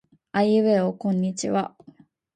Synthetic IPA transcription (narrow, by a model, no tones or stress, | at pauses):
ajɯβeokõ̞ɲ̟ːit͡ɕḭβa̰